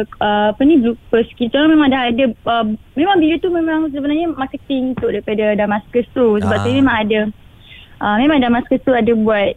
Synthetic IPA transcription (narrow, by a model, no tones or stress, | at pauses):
əapənĩblupəskit̪ulamemaŋdahadaəmemãŋbilut̪umemãŋs̬əbənarɲəmakət̪ɪŋut̪ʊʔdaɾipadadamaskəst̪usəbap̚t̪umemãŋada | ʔəmemãŋdamaskəst̪uadabuat̪̚